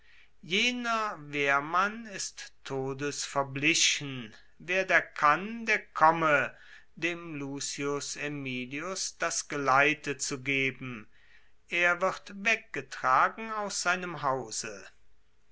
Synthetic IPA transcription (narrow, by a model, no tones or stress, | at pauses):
jeːnɐveːɐmanɪstʰːoːdəsfɛɐblɪɕn̩ | veːɐdeːɐkʰandeːɐkʰɔmə | deːmluːsiʊsemiːliʊsd̥asɡ̥əlaɪtət͡suɡeːbm̩ | ʔeːɐvɪʁtvɛk̚ɡ̥ətʁ̥aːɡŋ̩aʊsz̥aɪnəmɦaʊz̥ə